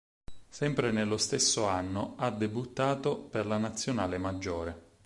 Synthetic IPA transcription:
sɛmpɾenelːost̪esːoanːoad̪ːebut̪ːaːt̪operlanat̪sːjonaːlemad͡ʒːoːɾe

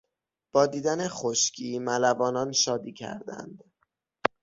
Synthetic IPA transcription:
b̥ɒːd̪iːd̪æne̞xoʃcʰiːmælævɒːnɒːnʃɒːd̪iːcʰæ̰ɾd̪æ̰nd̪̥

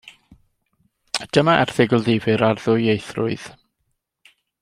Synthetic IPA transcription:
d̥əmaʔɛr̥θɪɡʊlˠðɪvɨɾarðʊɨejθrʊ̰ɨð̥

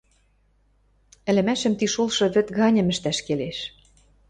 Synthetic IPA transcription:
ɘ̆lɘ̆mæʃɘ̆mt̪iʃolˠʃɤ̆βɘ̆t̪ɣɑnʲɤ̆mɘ̆ʃt̪æʃkeleʃ

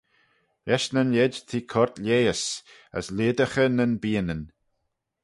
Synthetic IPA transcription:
jɛʃnənjɛdt̪ʰiːkʰɔɹt̪ʰlʲeːəs | ə̰slɪːd̪əxənənbiːənən

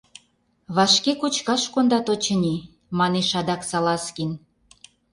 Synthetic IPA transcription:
βɑʃkekut͡ɕkɑʃkond̪ɑt̪ot͡ɕə̆nʲi | mɑneʃɑd̪ɑksɑlɑskin

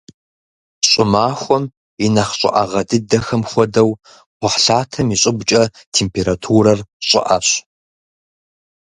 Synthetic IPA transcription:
ɕʼʊmaːxʷɔm | inɐχɕʼɪ̰ʔɐʁɐdɨdɐxɐmxʷɔdɐw | qʷɔħɬaːtʰɐmiɕʼɪbt͡ʃʼɐ | tʰeːmpʰeːɾatʰuɾɐrɕʼɪ̰ʔɐ̰ɕ

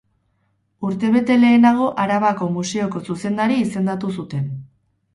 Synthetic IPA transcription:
uɾt̪e̞βe̞t̪e̞le̞ːnaɣ̞o̞ʔaɾaβako̞muse̞o̞ko̞suse̞nd̪aɾiːse̞nd̪at̪usut̪e̞n

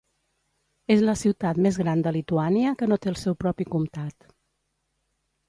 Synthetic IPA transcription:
ezləsiwt̪at̪mezɣɾand̪əlit̪uaniəkənot̪eəlˠsɛwpɾɔpikumt̪at̪

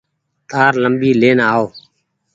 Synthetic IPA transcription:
t̪aːɾləmbiːleːnaːoː

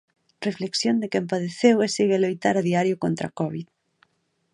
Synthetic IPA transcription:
refleksjond̪ɪkempað̞eθeweseɣelojt̪aɾaðiaɾjʊkont̪ɾa̰kɔβið

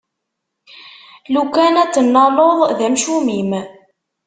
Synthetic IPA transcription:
lukænæt͡sːənːɑloðˤðæmʃumim

